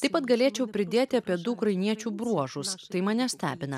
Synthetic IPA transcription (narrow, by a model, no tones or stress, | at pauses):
t̪ɐɪpɐt̪ɡɐlʲeːt͡ʃʲɛʊpʲɾʲɪd̪ʲeːt̪ʲɪɐpʲiɛd̪ʊʊkɾɐɪnʲiɛt͡ʃʲuːbɾuɔʒʊst̪ɐɪmɐnʲɛsʲt̪ʲæ̰ːbʲɪnɐ